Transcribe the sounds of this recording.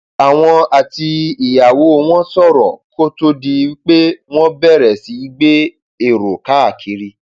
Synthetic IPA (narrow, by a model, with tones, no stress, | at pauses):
a˨w̃ɔ̃˧a˨ti˧i˨ja˨wo˨˦˧w̃ɔ̃˦sɔ˦˨ɾɔ̰˨ko˦to˦di˧˦wi˦k͡pe˦w̃ɔ̃˦bɛ˦˨ɾɛ˨si˨˦i˦ɡ͡be˦ | e˨ɾo˨ka˨˦a˦˨kʰi˨˦ɾi˧˦